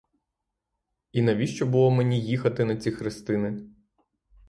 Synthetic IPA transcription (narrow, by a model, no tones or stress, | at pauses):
inɐʋʲiʃt͡ʃɔbʊlˠɔmenʲijixɐt̪ɪnɐt͡sʲixɾɪst̪ɪnɪ